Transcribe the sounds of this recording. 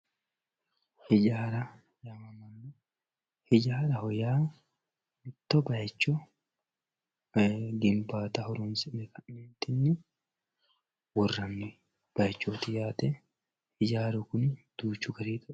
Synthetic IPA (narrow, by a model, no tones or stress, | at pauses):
hɪd͡ʒaːɾɐ | jɐmɐmɐnːɛ | hɪd͡ʒaːɾɐhɔjaː | mɪt̪ːɔbɐjɐt͡ʃːɔ | ɡɪmbaːt̪ɐhɔɾunsɪnɛkɐnːeːnt̪ɪnːɪ | wɔrːɐnːɪ | b̥ɐjɐt͡ʃːoːt̪ɪjaːt̪ɛ | hɪd͡ʒaːɾʊkʊnd̪̥uːt͡ʃːʊɡɐɾiːt̪ʊ